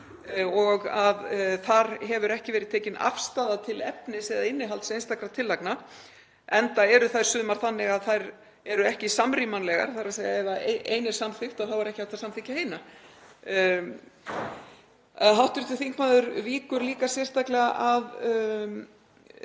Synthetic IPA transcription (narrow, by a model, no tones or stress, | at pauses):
ɔɣaðθaɾɦɛvʏɾɛhcɪvɛːɾɪðt̪ʰeːjcɪna̰fst̪aːðat̪ʰɪlɛpnɪsɛðaɪnːɪɦalt̪sejnst̪akɾat̪ʰɪlːakna | ɛnt̪aɛɾʏθajɾsʏːðmaɾ̥θanːɪɣaðθajɾ | ɛɾʏɛhcɪsamɾimanlɛɣa̰ɾ̥θaɾasejaɛvaejnɪsamθɪxt̪aðθavaɾɛhcɪaht̪ːasamθɪcaheːjna | ɦawht̪ʏɾt̪ɪθiŋkmaːðʏɾviːkʏɾliːkasjɛr̥t̪aklɛɣaʔað